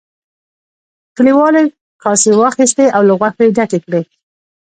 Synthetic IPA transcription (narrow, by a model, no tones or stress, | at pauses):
kəliwɑle | kɑsewɑxist̪eawlaɣwaxeɖaʈekɽe